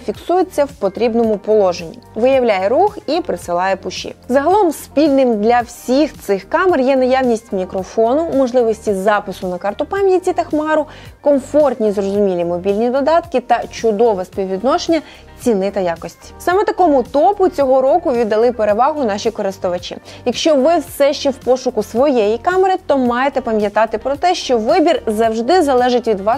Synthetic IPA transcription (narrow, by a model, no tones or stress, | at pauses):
fʲiksujʊt͡sʲːɐwpɔt̪ɾʲibnɔmʊpɔlˠɔʒenʲːḭʋɪjɐwlʲajɛɾuxipɾɪsɪlˠɑjɛpʊʃḭzɐɦɐlˠɔmspʲilʲnɪmd̪lʲɐwsʲixt̪sɪxkɑmɛrjɛnɐjawnʲisʲtʲmʲikɾɔfɔnʊmɔʒlˠɪʋɔsʲtʲizɑpɪsʊnɐkɑrt̪ʊpɑmʲjɐtʲit̪ɐxmɑɾʊ | kɔmfɔrt̪ʲnʲizrɔzʊmʲilʲimɔbʲilʲnʲid̪ɔd̪ɑt̪kɪt̪ɐt͡ʃʊd̪ɔʋɛspʲiwʋʲid̪nɔʃenʲːɐ | t͡sʲinɪt̪ɐjakɔsʲtʲi̥sɑmɛt̪ɐkɔmʊt̪ɔpʊt͡sʲɔɦɔɾɔkʊʋʲid̪ːɐlˠɪpeɾeʋɑɦʊnɑʃʲikɔɾɪst̪ɔʋɐt͡ʃḭjɐkʃt͡ʃɔʋɪwsɛʃt͡ʃɛwpɔʃʊkʊsʋɔjɛjikɑmeɾɪt̪ɔmɑjet̪ɛpɐmʲjɐt̪ɑt̪ɪpɾɔt̪ɛʃt͡ʃɔʋɪbʲirzɐwʒd̪ɪzɐlˠɛʒɪtʲʋʲid̪ʋɑ